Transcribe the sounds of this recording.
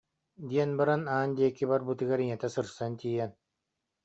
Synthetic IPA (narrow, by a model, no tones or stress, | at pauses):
d̪ʲiɛnbaɾanaːnd̪iɛkːibaɾbut̪ɯɡaɾiŋɛt̪ɛsɯɾsɯnt̪ʲiːjɛn